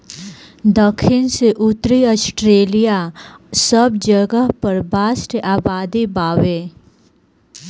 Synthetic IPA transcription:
d̪əkʰːɪnseʔʊt̪ɾiəsʈɾeːlijasəbd͡ʒəɡəɦpɐɾbaːsʈʔaːbaːd̪ibaːweː

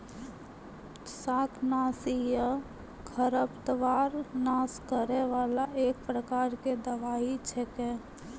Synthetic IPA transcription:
saːkʰnaːsijə | kʰəɾəpt̪əʋaːɾnaːskəɾeʋaːlaʔeːk̚pɾəkaːɾked̪əʋaːit͡ʃʰɛkẽ

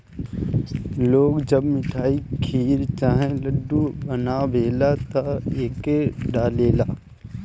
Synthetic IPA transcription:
loːɡd͡ʒəbmɪʈʰaːikʰiːɾt͡ʃaːɦẽləɖːubənabeːlat̪aeːkeɖaːleːlaː

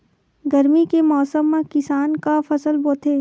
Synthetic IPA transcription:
ɡɐɾmikemɔːsəmːẽkɪsaːnkafɐsəlboːt̪ʰeː

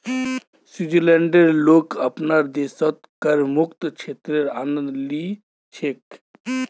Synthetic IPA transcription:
sid͡ʒileɳɖeɾloːkəpnaɾd̪eːsɔt̪kəɾmʊkt̪t͡ʃʰeːt̪ɾeɾaːnə̃nd̪li | t͡ʃʰek

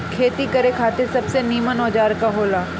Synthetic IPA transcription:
kʰeːt̪ikɐɾekʰaːt̪ɪɾsɐbseniːmənɔːd͡ʒaːɾkaɦoːlaː

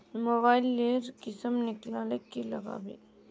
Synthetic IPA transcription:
moːbaːɪlːeːɾkɪsəmnɪklaːlekːilɐɣa̰ːbḭː

